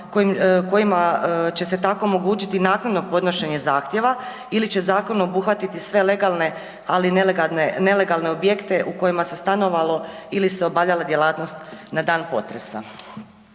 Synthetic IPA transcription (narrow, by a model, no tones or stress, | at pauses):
koimko̞jimat͡ɕe̞set̪ako̞ːmo̞ɡuːt͡ɕit̪inaːknad̪no̞po̞d̪no̞ʃe̞ɲe̞zaːxt̪je̞ʋa | ilit͡ɕe̞zaːko̞nuobuxʋat̪it̪isʋe̞le̞ɡalˠne̞ | alinaene̞le̞ɡalˠne̞o̞bje̞kt̪e̞ʔuko̞jimase̞st̪ano̞ʋalo̞iliseo̞bavʎalˠad̪jelˠaːt̪no̞st̪nad̪aːnpo̞̰t̪ɾe̞sa̰